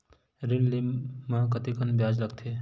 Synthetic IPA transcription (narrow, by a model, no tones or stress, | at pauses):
ɾɪnlimãkət̪ikənbjaːd͡ʒləɡ̚t̪ʰe